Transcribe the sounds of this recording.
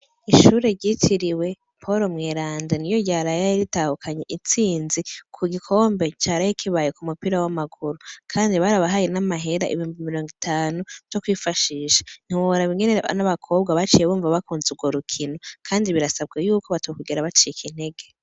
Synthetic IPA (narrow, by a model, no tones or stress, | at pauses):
iʃuːɾe̞ɾɟitʰiɾiwe̞ | pʰo̞ɾo̞mŋe̞ːɾaːndenijo̞ɟaːɾajaiɾitahukʰaɲeʔit͡siːnzikʰuɡikʰo̞ːmbe̞t͡ʃaːɾajikʰiβajekumupiɾawamaɡuɾukʰaːndiβaɾaβaɦajenamaɦe̞ɾaʔḭβihuːmbimiɾo̞ːŋɡitʰaːnud͡ʒokwiːfaʃiːʃḁn̥hiwoɾaβiŋɡenea̰naβakʰo̞ːb̚ɡaβat͡ʃijeβuːɱvaβakuːnzuɡwoɾukʰino̞kʰaːndiβiɾasaβɡajuːkoβatekuɡeɾaβat͡ʃiikʰin̥eɡe̞